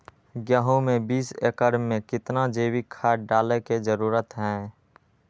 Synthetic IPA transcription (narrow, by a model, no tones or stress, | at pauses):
ɡjaːɦõmẽbiːsḛːkəɾmːẽkɪt̪nad͡ʒeːwikʰaːɖaːleked͡ʒəɾuːɾət̪ɦɛ̃